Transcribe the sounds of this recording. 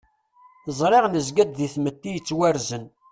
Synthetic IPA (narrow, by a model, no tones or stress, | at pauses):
zˤɾˤeʁnəzɡæd̪ðiθmət̪ːijət͡sːwæɾzən